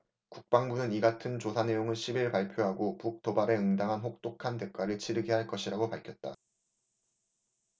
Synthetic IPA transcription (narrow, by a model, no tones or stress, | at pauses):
kuk̚p͈aŋbunɯniɡatʰɯnt͡ɕosʰane̞joŋɯɭɕʰibiɭpaɭpʰjoɦaɡopuk̚t͈obaɾe̞ɯŋdaŋɦanɸok̚t͈okʰande̞k͈ʰwaɾɯɭt͡ɕʰiɾɯɡeɦaɭk͈ʌɕʰiɾaɡopaɭkʰjʌt̚t͈a̰